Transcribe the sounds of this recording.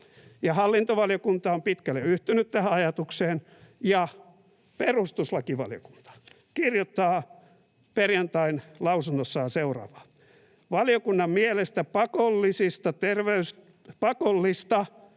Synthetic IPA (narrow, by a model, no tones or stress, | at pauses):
jɑhɑlːint̪oʋɑljokunt̪ɑompit̪kælːeyht̪ynyt̪t̪æhæɑjɑt̪ukseːn | jɑ | perust̪uslɑkiʋɑ̰ljo̰ku̥nt̪ɑ̥ | kirjot̪ːɑː | perjɑnt̪ɑinlɑusunːosːɑjɑseurɑ̰ːʋɑ̥ | ʋɑljokunːɑmmielest̪æpɑkolːisist̪ɑt̪erʋeys | pɑkolːist̪ɑ